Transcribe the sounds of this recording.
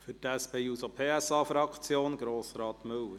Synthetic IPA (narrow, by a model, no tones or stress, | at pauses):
fʏtæspeːuːsopʰeːæsɑːfɾɑkt͡sjoːnɡɾoːsɾɑːtmɵwəɾ